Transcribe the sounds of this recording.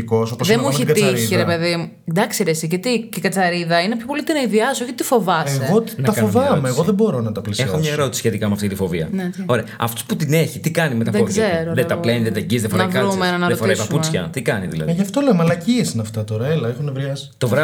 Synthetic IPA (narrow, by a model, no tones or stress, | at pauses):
kosoposðemueçiɡɐt̪iɾiiɾepe̞ðimu | d̪ɐksiɾesicet̪icekɐt͡sɐɾiðɐinepço̞po̞lit̪inɐiðiɐsoçitt̪ifo̞vɐeeɣonɐɐfɐoovɐmesɣoðebo̞ɾo̞nɐt̪ɐplisexomɲɐeɾo̞t̪isi̥sçet̪ikɐmeɐft̪it̪ifoviɐ̰neo̞ɾeɐɐft̪o̥sput̪ine̞çit̪ikɐnimet̪ɐðfozzeɾoðet̪ɐpleniðet̪ɐɟizðefoɾnɐkɐɾumenɐnɐɾofoɾɐispɐput͡sçɐ̰t̪ikɐnḭðilɐ̰ðʝɐft̪o̞lemɐlɐciesinɐft̪ɐt̪o̞ɾɐelɐexonevɾiɐsi̥t̪o̞vɾɐ